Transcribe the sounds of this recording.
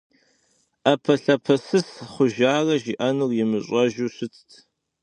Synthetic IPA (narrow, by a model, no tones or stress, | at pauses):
apʰɐɬɐpʰɐsɨsχʷʊʒaːrɐʒiʔɐnɨrjɪmɨɕʷʼɐʒuɕʷɨt͡sʰtʰ